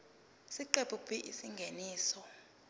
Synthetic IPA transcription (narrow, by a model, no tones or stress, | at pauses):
siǃepʰʼukpiʔisiŋɡʱeniːsɔ